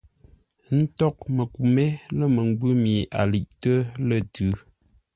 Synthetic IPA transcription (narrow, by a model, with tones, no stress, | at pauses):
n̩˦tɔ˦k̚mə˨ku˨me˦lə˦˨mə˨ŋ˦ɡ͡bʉ˦mi˨ʔa̰˨li˨ʔtə˦lə˦˨tʉ˨˦